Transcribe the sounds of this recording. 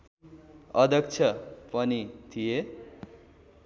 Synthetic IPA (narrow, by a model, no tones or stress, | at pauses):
ʌd̪ʱʌk̚t͡sʰʌpʌnit̪ʰije